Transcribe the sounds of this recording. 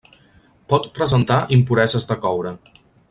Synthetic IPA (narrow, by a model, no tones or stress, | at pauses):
pɔt̪pɾəzənt̪aʔimpuɾɛzəzðəkɔwɾə